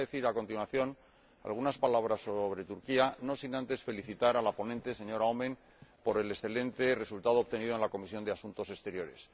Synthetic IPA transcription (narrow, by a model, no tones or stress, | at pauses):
ðeθiɾako̞nt̪inwaθjo̞n | a̰lɣunaspalaβ̞ɾasːoβɾe̞t̪uɾkiano̞sinãnt̪e̞sfe̞liθit̪aɾalapo̞nẽnt̪es̬e̞ɲo̞ɾaomẽ̞n | po̞ɾe̞le̞sθe̞lẽ̞nt̪e̞re̞sult̪að̞oːβ̚t̪e̞niðoe̞nlako̞misjo̞nd̪easunt̪o̞se̞st̪e̞ɾjo̞ɾe̞̰s